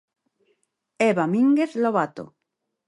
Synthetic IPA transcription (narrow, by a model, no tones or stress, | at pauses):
eβamĩŋɡeθloβat̪o̰